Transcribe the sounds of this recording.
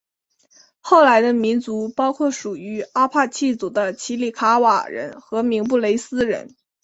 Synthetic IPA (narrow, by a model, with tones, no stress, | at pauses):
xo˥˩ʊla˧˥ɪd̪ə˧mi˧˥nt͡su˧˥pɑ˥ʊkʰwɔ˥˩ʂu˨˩y˧˥a˥pʰa˥˧t͡ɕʰi˥˩t͡su˨˩d̪ə˦t͡ɕʰi˧˥li˨˩kʰa˧˥wa̰˨˩ɻə̰˧˥nxɤ˧˥mi˧˥ŋp̬u˥˩le˧˥ɪsɹ̩˥ɻə̰˧˥n